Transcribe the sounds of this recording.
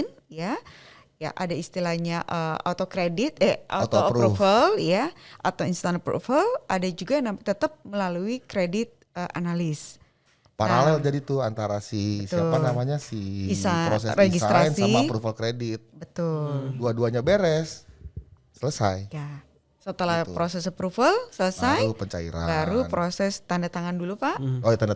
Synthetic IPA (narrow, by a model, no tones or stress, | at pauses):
n | ja | ja̰ʔadaist̪ilahɲaʔəot̪okɾedɪt̪̚ɛʔa̰t̪oɾufəljaʔa̰t̪awinst̪anpɾṵfəlʔadad͡ʒuɡanat̪ət̪əp̚məlaluikɾedɪt̪̚ | əʔanalɪs | paɾalɛld͡ʒadit̪ʊant̪aɾasihbəsiaanamaɲasɪisaɾosɛsɾeɡisaɾasnsaimapɾufəlkɾedɪt̪̚bət̪ʊlduaduaɲabeɾɛsː | ələsajka | sət̪əlahpɾosɛspɾufəlsələsajpəɲt͡ʃaḭɾa̰baɾupɾʔosɛst̪andat̪aŋandulupaʔot̪anda